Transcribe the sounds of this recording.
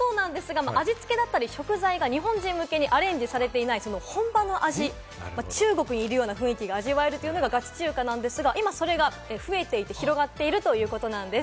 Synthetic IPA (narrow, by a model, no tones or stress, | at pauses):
so̞ːnãnd̪e̞sɨɡamaʔaʑit͡sɨ̥ke̞d̪at̪ːaɾʲiɕo̞kɯ̟zaiɡaɲ̟iɦõ̞ɲ̟d͡ʑĩmːɯ̟ke̞ɲ̟iʔaɾẽ̞ɲ̟d͡ʑisaɾe̞t̪e̞inaiso̞no̞hõ̞mbano̞ʔaʑi | mat͡ɕɨːɡo̞kɯ̟ɲ̟iːɾɯ̟jo̞ːnaɸɯ̟̃ikʲiɡaːʑiβae̞ɾɯ̟t̪ojɯ̟no̞ɡaɡat͡ɕi̥t͡ɕɨːkanãnd̪e̞sɨɡaʔimaso̞ɾe̞ɡa | eɸɯ̟e̞t̪e̞it̪e̞çiɾo̞ɡat̪ːe̞iɾɯ̟t̪o̞jɯ̟ːko̞t̪o̞nãnd̪e